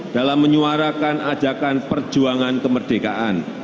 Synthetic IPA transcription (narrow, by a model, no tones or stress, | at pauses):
d̥alamːəɲuaɾakanad͡ʒakanpərd͡ʒuaŋankəmərd̥eka̰ʔan